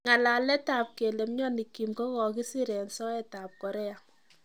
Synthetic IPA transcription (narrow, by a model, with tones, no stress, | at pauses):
ŋa˨la˨lɛ˦ta˨p̚ke˨le˨mɲɔ˦ni˨kːi˨mkɔ˦kɔ˨ki˦si˦ɾɛ˨nsɔ˦ɛ˦ta˨p̚kɔ˨ɾɛ˦a˨